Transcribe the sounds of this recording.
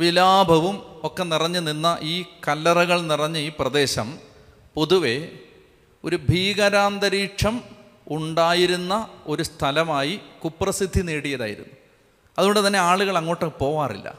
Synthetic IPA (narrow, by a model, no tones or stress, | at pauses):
ʋilaːbʱɐʋumo̞kːe̞nirɐɲːɨninːɐʔiːkɐlːɐrɐɣɐɭnirɐɲːɨiːprɐd̪e̞ːɕɐm | po̞ðuʋe̞ | o̞ɾubʱiːɣɐɾaːnd̪ɐɾiːʂɐm | uɳɖaːjiɾunːɐo̞ɾust̪ʰɐlɐmaːjikuprɐsid̪ʱːineːɽijɐða̰ːjḭɾṵnːu | ɐðuɣoɳɖɨt̪ɐnːe̞aːɭuɣɐɭɐŋːo̞ːʈːɨpo̞ːʋaːrḭlːɐ̰